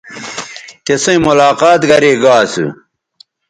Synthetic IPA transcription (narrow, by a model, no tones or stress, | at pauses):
t̪esɐ̃ĩmulaːqaːt̪ɡɐɾeɡaːsṵ